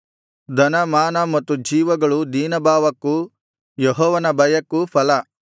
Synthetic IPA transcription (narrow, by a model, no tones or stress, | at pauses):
d̪ɐnɐmaːnɐmɐt̪ːud͡ʒiːʋɐɡɐɭud̪iːnɐbʱaːʋɐkːu | jeɦɔːʋɐnɐbɐjɐkːupʰɐlɐ